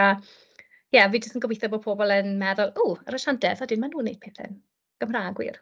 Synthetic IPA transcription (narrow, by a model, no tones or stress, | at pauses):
a | jɛviːd͡ʒəstənɡɔwejθɔboːpʰoːbɔlˠənmɛðʊlˠuːəɾəʃandɛðɔdɪnmanuːnːejd̥̚pʰeːθɪ̰n | ɡ̥əmraːɡwḭr